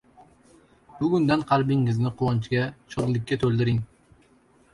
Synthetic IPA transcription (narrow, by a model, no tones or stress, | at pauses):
b̥ʊɡʲʊnd̪anqʰɑlˠbɪŋːɪznɪqʰʊwɒnt͡ʃɡʲaʃʰoʁlˠɪkʲːat̪ʰɵlˠd̪ɪɾɪŋ